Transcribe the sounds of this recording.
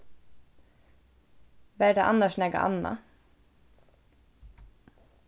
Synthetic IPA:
ʋæːɖɑːʔɑnɑʃnɛːɡɑ̰ʔɑ̰nɑ̰

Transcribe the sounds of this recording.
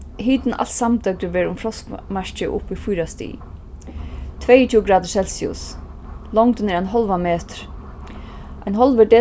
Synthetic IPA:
ɦiːt̪nʔa̰l̥t̪samt̪œk̚d̪ɪɾvɛːɾʊmfɾɔskmaɹ̥t͡ʃɪʔʊ̰pːifujɾast̪ḭː | t̪ʰvɛjətʰuːɡɾaːd̪əsɛlsiʊ̰s | lɔŋt̪ɪnɛɾajnɦɔlʋameːt̪ɾ̥ | ajnɦɔlvəɖɛː

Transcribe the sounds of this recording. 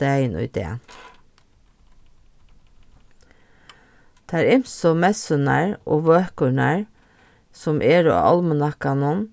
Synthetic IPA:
æɪnʔɔ̰ʏd̪ḛːn | t̪ʰæːɾɪmsɔmɛsœnæ̰ɹʔo̰ːʋøːkʊɳæɹ | sɔmʔeːɹɔ̰ɑ̰lmənɑkɑnɔn

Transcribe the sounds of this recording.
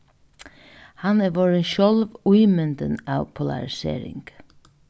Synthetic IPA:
hɑnɛʋoːɹenʃɔlʋʉɪmɛnd̪ənɑːʋpʰʊlɑ̰ɾɪsḛːɾɪ̰ŋɡ̥

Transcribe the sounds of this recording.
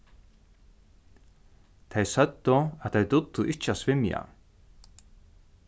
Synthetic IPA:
t̪ʰejsœt̪ːʊaðt̪ʰejt̪ʊt̪ːʊʔɪht͡ʃːasvɪmja̰

